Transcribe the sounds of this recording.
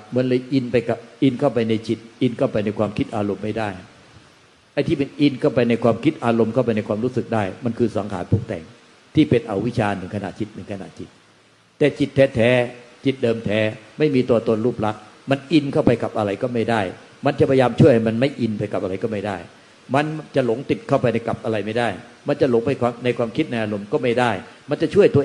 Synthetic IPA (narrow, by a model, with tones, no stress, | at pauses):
mɯ˨˦˥nlɤː˧jʔi˧npa˧jka˨˩p̚ʔi˧nkʰa˥˩wpa˧jna˧jt͡ɕi˨˩t̪̚ʔi˧nkʰa˥˩wpa˧jna˧jkʰwaː˧mkʰi˦˥t̪̚ʔaː˧ɾo˧mːa˥˩jdaː˥˩j | ʔa˧jt̪ʰiː˥˩ma˧nʔi˧nkʰa˥˩wpa˧jna˧jkʰwaː˧mkʰi˦˥t̪̚ʔaː˧ɾo˧mkʰa˥˩w̬pa˧jna˧jkwaː˧mɾuː˦˥sɯ˨˩k̚daː˥˩jma˧nkʰɯː˧sa˨˩˦ŋkʰa̰ː˨˦npʰu˥˩k̚t̪ɛ̰˨˩ŋ | t̪ʰiː˥˩pe˧nʔa˧wi˦˥t͡ɕʰaː˧nɯ˨˩˦ŋkʰa˧na̰˨˩t̪̚t͡ɕi˨˩t̪̚nɯ˨˩˦ka˧na˨˩t̪̚t͡ɕi˨˩t̪̚ | t̪ɛː˨˩t͡ɕi˨˩t̪ʰːɛː˦˥t̪ʰɛː˦˥t͡ɕi˨˩t̪̚dɤː˧mt̪ʰɛː˦˥ma˥˩jmiː˧t̪uː˧ɐt̪o˧nɾuː˥˩p̚la˦˥k̚ | ma˧nʔi˧nkʰa˥˩wpa˧jka˨˩pʔa˧ɾa˧jkɔː˥˩ma˥˩jdaː˥˩j | ma˧nt͡ɕa˨˩pʰa˧ja˧jaː˧mt͡ɕʰu˥˩əjha˥˩jma˧nma˥˩jʔi˧npa˧jka˨˩p̚a˧ɾa˧jkɔː˥˩ma˥˩jdaː˥˩j | ma˧nt͡ɕa˨˩lo˨˩˦ŋt̪i˨˩t̪̚kʰa˥˩wpa˧jna˧jka˨˩p̚ʔa˧ɾa˧jma˥˩jdaː˥˩j | ma˧nt͡ɕa˨˩lo˨˩˦ŋpa˧jkʰwaː˧na˧jkʰwaː˧mkʰi˦˥t̪̚na˧jʔaː˧ɾo˧mkɔː˥˩ma˥˩jdaː˥˩jma˧nt͡ɕa˨˩t͡ɕʰu˥˩əjt̪u˧